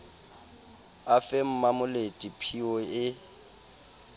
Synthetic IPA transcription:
afɛm̩mamʊletʼipʰiɔɪ

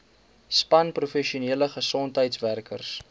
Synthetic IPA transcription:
spɐnprufɛʃiuniələχəsɔntɦəjtsværkərs

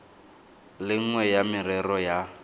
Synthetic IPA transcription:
lɪŋ̩ŋwɛjamɪrɛrɔja

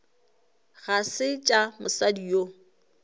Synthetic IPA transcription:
ɣasɪt͡ʃʼamʊsadio

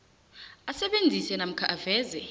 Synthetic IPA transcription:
asɛɓend͡zʱisɛnam̩kʰaʔavɛːzɛ

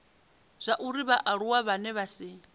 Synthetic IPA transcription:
z̥ʷaʔuɾiβaʔaɺuwaβanɛβasi

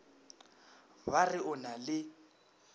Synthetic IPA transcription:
barɪʊnalɪ

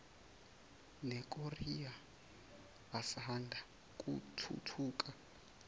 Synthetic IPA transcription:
nɛk̬ʼoria | asaɦandʱa | k̬ʼutʰṵtʰuːkʼa

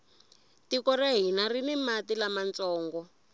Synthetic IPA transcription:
tikɔraɦinarinɛmatilamant͡sɔːŋɡɔ

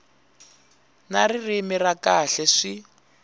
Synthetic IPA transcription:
naririmirakaɬɛʂi

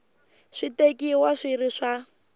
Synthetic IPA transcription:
ʂitekʼiwaʂiriʂa

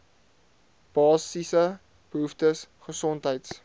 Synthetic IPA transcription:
b̥ɑːsisə | b̥əɦuftəsχəsɔntɦəjts

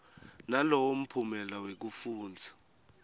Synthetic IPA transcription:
nalɔwom̩pʰumɛlawek̬ufuːnd͡zʱḁ

